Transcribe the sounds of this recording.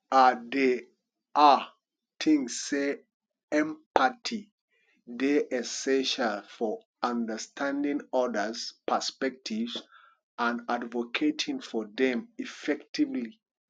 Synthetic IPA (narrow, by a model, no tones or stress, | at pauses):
ade | ʔa | t̪ʰĩŋsːe | ɛ̃mpatʰi | deʔɛsɛ̃nʃalfɔ | ãndəstʰãndĩŋɔdəspʰəspɛk̚tʰivz | ãnadvokʰetʰĩŋfɔdɛ̃mifɛktivli